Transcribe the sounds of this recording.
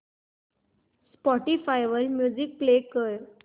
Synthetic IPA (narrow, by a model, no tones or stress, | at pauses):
spɔʈifajʋəɾmjud͡zik̚plekəɾ